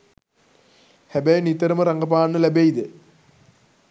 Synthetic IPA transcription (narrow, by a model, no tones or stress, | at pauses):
hebɐjnit̪ːɐɾɐmɐɾɐŋɡɐp̬aːnːɨlebejid̪ɨ